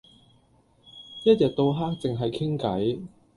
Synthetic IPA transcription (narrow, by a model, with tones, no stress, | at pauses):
jɐ˥t̚jɛː˨t̚t̪o˧wɦaː˥k̚t͡sɪ˨ŋɦɐ˨jkʰɪ˥ŋkɐ˨˥j